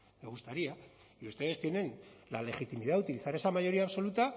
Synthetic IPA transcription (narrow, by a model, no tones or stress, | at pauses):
meɣust̪aɾia | iust̪e̞ðe̞st̪je̞ne̞nlale̞xit̪imið̞aut̪iliθaɾe̞samajo̞ɾiaːβso̞lut̪a